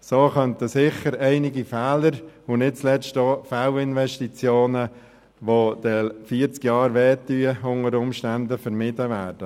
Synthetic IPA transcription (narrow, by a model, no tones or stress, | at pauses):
soːχœnt̪əsɪχəɾɛɪnɪɡifɛːləɾʊnɪt̚t͡slɛstofaʊɪnʋɛʃtit͡sjoːnə | ʋod̥̪ɛfiəɾt͡skjɑːɾʋɛːtːyːəʊŋəɾʊmʃtænd̪əfəɾmɪdəʋæːɾd̥ə